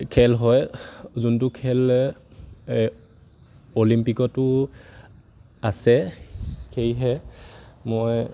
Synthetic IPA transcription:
kʰɛlɦɔjzunt̬ʊkʰɛl | olimpikɔtʊ | asɛ | kejɦɛ | mɔj

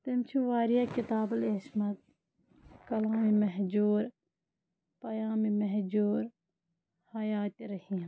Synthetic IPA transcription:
t̪ɪmt͡ʃʰiʋaːɾijakɪt̪aːbɐleːsmɐd̪̚ | kɐlaːmimɐɦd͡ʒuːɾ | pɐjaːmimɐɦd͡ʒuːɾ | hɐjaːt̪ɾɐhĩ

